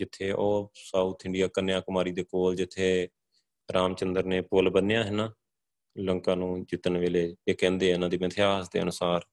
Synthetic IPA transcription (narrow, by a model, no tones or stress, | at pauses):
d͡ʒɪt̪ʰːeːʔoːsauːt̪ʰɪɳɖijaːkənjãːkʊmaːɾiːd̪eːkoːld͡ʒɪt̪ʰːeː | ɾʔaːmt͡ʃənd̪əɾneːpʊlbənːjãːɦɪnãː | ləŋkãːnũːd͡ʒɪt̪ənʋeːleːeːkɛ̃ːnd̪eːɪnãːd̪iːmət̪ʰɪjaːsd̪ḛːənʊsaːɾ